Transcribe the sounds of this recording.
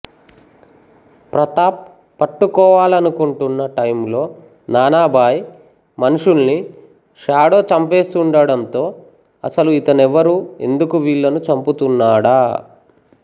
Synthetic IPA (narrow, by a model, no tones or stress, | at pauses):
pɾɐt̪aːp | pːɐʈːukɔːʋaːlɐnukuɳʈunːɐʈɐjmlo̞ː | naːnaːbʱaːj | mɐnuʂulni | ʂaːɽo̞ːt͡ʃɐmpe̞ːst̪uɳɖɐɽɐnt̪o̞ː | ɐ̰sɐluit̪ɐnɛʋɐɾue̞̰nd̪ukuʋiːɭːɐnut͡ʃɐmput̪unːaːɽaː